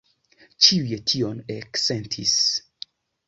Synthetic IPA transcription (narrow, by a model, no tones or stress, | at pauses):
t͡ʃiujetʰioneksentʰḭs